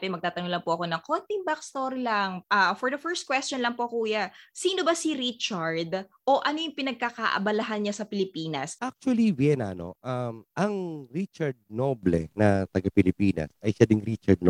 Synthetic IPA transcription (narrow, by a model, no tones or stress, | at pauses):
pɛmɐɡ̚t̪aːt̪ɐnʊŋlɐŋpoʔɐko̞nɐŋkont̪ɪŋbakst̪oɾilɐŋʔaːfɔɹd̪ɐfɛɹst̪̚kwɛstt͡ʃonlɐŋpokuːjɐsiːno̞bɐsiɾit͡ʃaɹd̪ʔo̞ʔɐnojʊŋpɪnɐɡ̚kakaʔɐ̰bɐlɐɦanɲasɐpɪlɪpiːnɐsak̚t͡ʃuɐliwjɛna̰no̰ʔamʔɐŋɾit͡ʃɐɹd̪̚noblɛnɐt̪ɐɡapɪlɪpiːnɐ̰sɐjʃad̪ɪŋɾit͡ʃɐd̪̚no